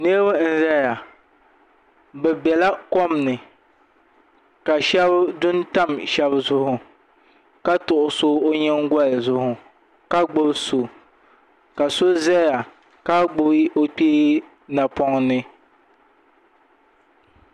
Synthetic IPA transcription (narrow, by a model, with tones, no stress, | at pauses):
ne˦ba˦n̩˦zɛ˦ja˨ | bɛ˨bɛ˨la˦kɔ˦mnɨ˨ | ka˨ʃɛ˦bdʊ˦nta˦mʃɛ˦bzʊ˦hʊ˨ | ka˦tʊ˨ʔʊ˨so˦o˦ɲɛ˦ŋɡʷa˦lzʊ˦hʊ˨ | ka˦ɡ͡bʊ˦bso˨ | ka˨so˦zɛ˦ja˨ | ka˦ɡ͡bʊ˦bo˦k͡piː˦ | na˨pɔ˦ŋnɨ˦